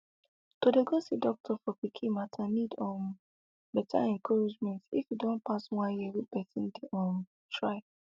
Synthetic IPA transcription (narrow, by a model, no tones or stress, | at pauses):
todeɡosidɔk̚tʰɔfɔpikʰimatʰanidɔ̃n | bɛtʰa̰ɛ̃ŋkʰɔɹid͡ʒmɛ̃ntḭfjudõnpaswãnjɛwipɛsĩndeʔɔ̃n | tʰɹaɪ